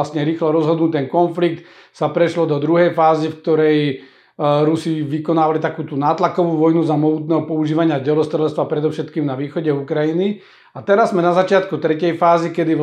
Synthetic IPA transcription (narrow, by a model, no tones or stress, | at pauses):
asɲɛɾiːxlɔɾɔzɦɔd̪nut̪ɛnkɔnflik̚t̪ | sapɾɛʃlɔd̪ɔd̪ɾuɦɛjfaːzifk̚t̪ɔɾɛj | ɾusiʋikɔnaːʋalit̪akuːt̪unaːt̪lakɔʋuːʋɔjnuzamɔɦut̪nɛːɦɔpɔuʒiːʋaɲɪaɟɛlɔst̪ɾɛlɛst̪ʋapɾɛd̪ɔʊʃɛt̪kiːmnaʋiːxɔɟɛukɾajini | at̪ɛɾazːmɛnazat͡ʃɪat̪kut̪ɾɛcɛjfaːzikɛd̪iʋ